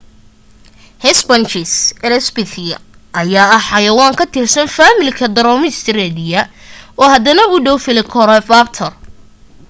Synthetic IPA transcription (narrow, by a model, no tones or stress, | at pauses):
hɛsbɐnt͡ʃɪsɛlɛsbɪθɪjɐ | ʔɐjaːɐħɑjɐwaːŋkʰɐt̪ʰɪrsɐnfaːmɪlkʰɐd̪ɐɾɔːmɪst̪ʰɪɾɛːd̪ɪjɐɔːhɐd̪ɐnɐʊɖɔwfɪlɪkʰɔɾɛfabt̪ʰɐr